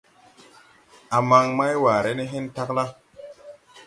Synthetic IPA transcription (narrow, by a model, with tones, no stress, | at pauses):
a˨ma˨ŋma˦jwaː˨ɾe˦ne˦ɦe˦nta˦kla˦